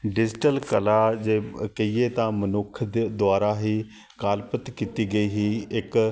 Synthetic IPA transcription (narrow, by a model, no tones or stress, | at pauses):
ɖɪd͡ʒɪʈəlkəlaːd͡ʒeːkəiːeːt̪ãːmənʊkʰd̪d̪ʊaːɾaːɦiː | kaːlpət̪kiːt̪iːɡəiːɦiːɪk